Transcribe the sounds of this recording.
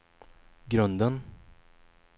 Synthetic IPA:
ɡɾɵnd̪ən

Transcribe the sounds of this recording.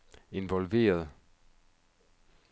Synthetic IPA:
e̝nʋɒlʋe̝̰ːɐð̞ˠ

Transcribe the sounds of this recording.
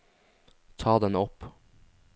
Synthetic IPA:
t̪ʰɑːd̪ɛnɔp

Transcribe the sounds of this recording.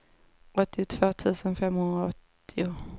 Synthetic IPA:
ʔɔt̪ːɪt̪ʰv̥oːt̪ʰʉ̟ːsənfɛmhɵnd̪ɾaɔt̪ːɪʊ

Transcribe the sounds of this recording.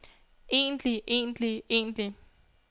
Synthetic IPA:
e̝̰ːnliʔe̝̰ːndliḛːnd̥li

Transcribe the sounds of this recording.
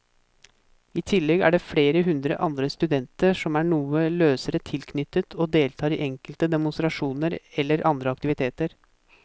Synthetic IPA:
iːt̪ʰɪlːɛɡæ̰ːɖɛfɽeːɾəɦʉnd̪ɾə̰ʔɑnd̪ɾəst̪ʉd̪ɛnt̪əʂɔmæːɳuːəløːsəɾət̪ʰɪlkʰnʏt̪ːət̪ʰoːd̪eːlt̪ʰɑːɾiʔɛŋkəlt̪əd̪ɛmʊnst̪ɾɑʂuːnəɾɛlːəɾʔɑnd̪ɾəɑk̚t̪ɪʋɪt̪ʰeːt̪əɾ

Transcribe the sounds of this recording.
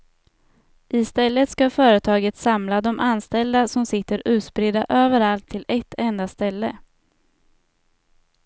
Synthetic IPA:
ʔɪst̪ɛlːət̪skafœːɾət̪ʰɑːɡət̪samlad̪ɔmʔanst̪ɛld̪asɔmsɪt̪ːəɾʉ̟ːt̪spɾɪd̪aʔøːvəɾalt̪ʰːɪlɛt̪ʰːɛnd̪ast̪ɛlːə

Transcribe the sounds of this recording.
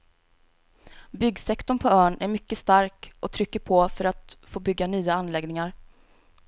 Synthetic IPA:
bʏɡsɛkt̪ɔɳpʰɔœːɳæɾmʏkːəst̪aɾkʔɔt̪ʰɾʏkːəpʰɔfœɾat̪foːbʏɡːanyːaanlɛɡnɪŋaɾ

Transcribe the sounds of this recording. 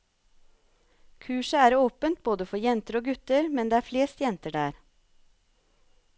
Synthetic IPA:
kʰʉːʃəæːɾoːpənt̪̚boːd̪əfɔɾjɛnt̪əɾoːɡʉt̪əɾmɛnd̪eːæːɾfleːst̪jɛnt̪əɖæːɾ

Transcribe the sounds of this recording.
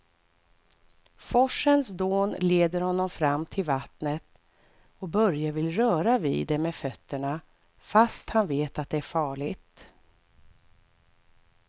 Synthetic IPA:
fɔʂənsd̪oːnleːd̪əɾhɔnːɔmfɾamːt̪ʰɪlvat̪nət̪ | ɔbœɾjavɪlɾœːɾavḭːd̪ɛmɛfœt̪ːəɳa | fast̪hanveːt̪at̪̚d̪ɛæɾfɑːɭɪt̪

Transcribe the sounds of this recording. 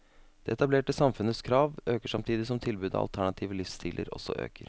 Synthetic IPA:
d̪̥ɛ̰ːɛt̪ɑbleːʈəsɑmfʉnəskʰɾɑːʋøːkəʂɑmt̪ʰiːd̪ɪsɔmt̪ʰɪlbʉːd̪ɑ̰ɑ̰lt̪ʰæɳɑt̪ʰiːʋəlɪfst̪ʰiːlʔə̰ɾɔ̰sɔ̰ʔø̰ːkəɾ

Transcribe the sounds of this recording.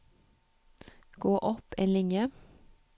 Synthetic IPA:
ɡ̥oːʔɔpḛːnlɪŋjə

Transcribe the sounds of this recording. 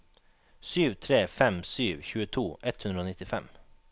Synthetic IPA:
syːʋt̪ʰɾeːfɛmsyːʋçʉːət̪ʰuːʔɛt̪hʉnɾoːnɪt̪ɪfɛm

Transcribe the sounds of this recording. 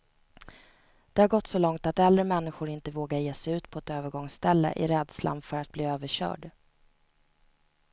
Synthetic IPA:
d̪̥ɛhaɾɡɔt̪ːsɔlɔŋt̪at̪ɛldɾəmɛnːɪɧʊɾɪnt̪əvoːɡajeːsɛʉ̟ːt̪pʰɔɛt̪øːvəɾɡɔŋst̪ɛlːə̰ʔɪ̰ɾɛːd̪sla̰nfœɾat̪̚bliːøːvəɕœ̰ːɖ

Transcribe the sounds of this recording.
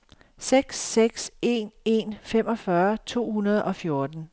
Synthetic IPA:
seɡ̥sːeɡ̥se̝ne̝̰ːnfem̰ɒ̽fɶɐt͡sʰo̝̰ːhunɐð̞ˠɒ̽fjo̝ɐd̥n̩

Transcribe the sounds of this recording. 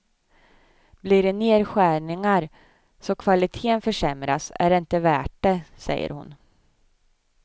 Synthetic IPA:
bliɖɛneːɾɧæːɳɪŋaɾ | sɔkʰvalɪt̪ʰeːənfœʂɛmɾasæ̰ɖɛɪnt̪əvæːʈ̚ɖɛsɛ̰jːə̰ɾhʊ̰n

